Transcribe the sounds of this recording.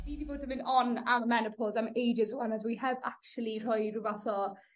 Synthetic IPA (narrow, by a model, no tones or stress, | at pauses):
niːdiboːdəmɪnɔnammɛnəpʰɔzamejd͡ʒəzuanəzwihɛvak̚t͡ʃəlˠir̥ɔjruvaθɔ